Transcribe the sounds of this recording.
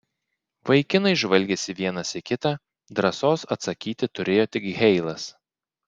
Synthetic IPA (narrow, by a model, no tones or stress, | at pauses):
ʋɐɪkʲɪnɐɪʒʋɐlʲɡʲɛsʲɪʋʲiɛnɐsɪkʲɪt̪ɑ | d̪ɾɐsoːsɐt̪sɐkʲiːt̪ʲɪt̪ʊɾʲeːjoːt̪ʲɪkɣʲɛɪlˠɐs